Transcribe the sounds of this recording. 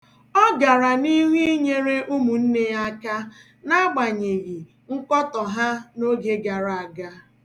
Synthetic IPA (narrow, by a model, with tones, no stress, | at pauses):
ɔ˦ɡa˨ɾa˨ni˦ŋʷi˦ɲe˦ɾe˦ʔu˦mu˨n̩˦ne˦a˦ka˦ | na˦ɡ͡ba˨ɲe˨ɣi˨ | ŋ̩˦kɔ˦tɔ˨ɦa˦no˦ɡe˦ɡa˨ɾa˨a˨ɡa˦